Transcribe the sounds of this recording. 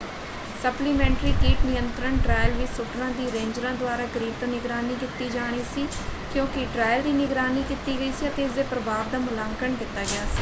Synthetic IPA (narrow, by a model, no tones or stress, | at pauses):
səpliːmɛ̃ːɳʈɾiːkiːʈnɪjənt̪ɾəɳʈɾaːjlʋiːsʊʈɾãːd̪iːɾẽːɲd͡ʒɾãːd̪ʊaːɾaːkəɾiːb̚t̪ãːnɪɡɾaːniːkɪt̪iːd͡ʒaːɽ̃iːsiːkjõːkɪʈɾaːjld̪iːnɪɡɾaːniːkɪt̪iːɡəiːsiːət̪eːɪsd̪eːpɾəbaːʋd̪aːmʊlãːŋkəɳkɪt̪ːaːɡɪaːsi̥ː